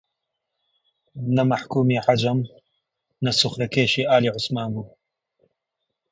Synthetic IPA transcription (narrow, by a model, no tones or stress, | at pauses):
nɐmaħkuːmiːħad͡ʒɐm | nɐsʊxɾɐkeːʃiːʔaːliːʕʊsmaːnbuː